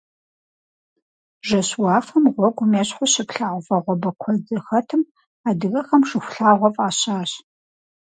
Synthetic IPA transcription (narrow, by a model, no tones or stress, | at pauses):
ʒɐɕwaːfɐmʁʷɔɡʷʊmeːɕħʊɕɪpɬaːwʷfɐʁʷɔbɐkʷʰɔd͡zɨxɐtʰɨm | aːdɨɣɐxɐmʂɨxʷʊ̥ɬaːʁʷɔfʼaːɕaːɕ